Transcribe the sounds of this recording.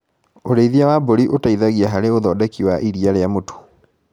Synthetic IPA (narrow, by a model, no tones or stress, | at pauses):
oɾeiðiawaboɾiʔotaiðaɣiaɦaɾeoðɔdɛkiwaʔiɾiaɾejamoto̥